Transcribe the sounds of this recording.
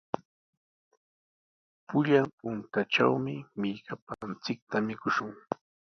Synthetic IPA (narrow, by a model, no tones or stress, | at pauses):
pʊʎampʊnt̪aʈ͡ʂa̰wmɪmɪʎkapant͡sɪk̚t̪amɪkʊʃʊŋ